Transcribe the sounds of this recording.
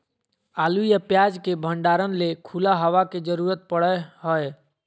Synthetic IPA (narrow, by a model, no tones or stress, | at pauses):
aːlujapjad͡ʒkebʱəɳɖaːɾənlekʰulaɦəʋaked͡ʒəɾuːɾət̪̚pəɽəɦɔe